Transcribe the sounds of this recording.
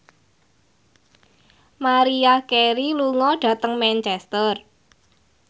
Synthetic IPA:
maɾiakeɾiluŋɔɖ̥a̤t̪əŋmɛnt͡ʃɛst̪ər

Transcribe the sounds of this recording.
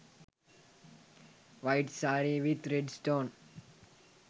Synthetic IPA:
ʋaɪʈsaːɾiʋit̪ɾeɖsʈõːn

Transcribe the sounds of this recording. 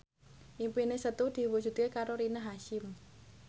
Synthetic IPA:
ʔimpinesət̪ud̪̥i̤wud̥ʒ̥ṳt̪̚kekaɾoɾinaɦaʃɪm

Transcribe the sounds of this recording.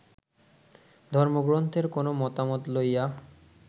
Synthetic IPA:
d̪ʱɔɾmoɡɾont̪ʰeɾkonomɔt̪amot̪loja

